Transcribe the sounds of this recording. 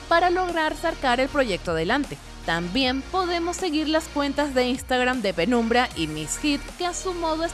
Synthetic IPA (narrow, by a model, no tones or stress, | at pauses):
paɾalo̞ɣɾaɾsaɾkaɾe̞lpɾo̞ʝe̞k̚t̪oað̞e̞lant̪e̞ | t̪ambje̞mpo̞ðe̞mo̞sːe̞ɣiɾlaskwe̞nt̪azðe̞inst̪aɣɾamd̪e̞pe̞nũmbɾaʔimisxit̪keasumo̞ð̞oes